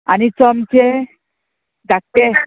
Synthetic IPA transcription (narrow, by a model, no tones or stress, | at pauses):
a̰nit͡sɔmt͡ɕe | d̪ak̚t̪e